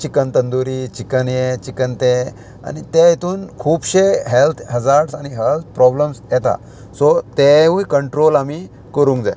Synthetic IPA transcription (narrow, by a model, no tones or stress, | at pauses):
t͡ɕikənt̪ənd̪uɾit͡ɕikənjet͡ɕikənt̪e | a̰nit̪ejit̪uːnkʰuːbɕeɦelt̪ʰɦəd͡zaɾɖsaniɦelt̪̚ʰpɾɔbləmsjɛt̪a̰ | sɔt̪eʋũkəɳʈɾolami | kəɾũŋkd͡za̰